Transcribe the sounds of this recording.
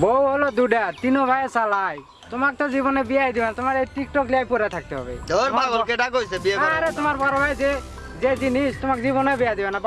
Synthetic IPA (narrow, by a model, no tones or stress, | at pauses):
bowɦɔlɔd̪uɖat̪inɔbʱajesalaj | t̪ɔmak̚t̪ɔzibɔnɔbijaɦid̪ibanat̪ɔmaɾejʈik̚ʈɔkliajpɔɾat̪ʰak̚t̪eɦɔ̰bḛd̪ɔɾbʱaɡɔkeɖakojsebieaaɾet̪ʊmaɾpɔɾɔbʱajze | zed͡ʒinist̪umakzibɔnɔbɛjad̪ibanap